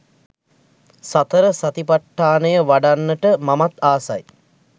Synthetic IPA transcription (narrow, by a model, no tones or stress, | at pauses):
sat̪əɾəsat̪ipaʈːaːnəjəʋaɖanːəʈəmamat̪aːsa̰j